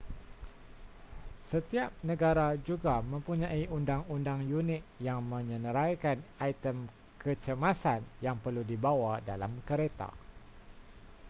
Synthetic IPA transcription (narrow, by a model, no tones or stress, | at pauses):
sət̪iap̚nə̃ɡaɾad͡ʒuɡamə̃mpuɲãiʔundaŋundaŋjunɪk̚jaŋmə̃ɲə̃nəɾajkanajt̪əm | kət͡ʃəmasanjaŋpərludibawadalamkəɾet̪a̰